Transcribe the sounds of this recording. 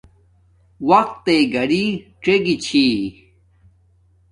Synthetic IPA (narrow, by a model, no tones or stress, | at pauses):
wɐq̚t̪ːeɡɐɽiʈ͡ʂeɡit͡ɕʰi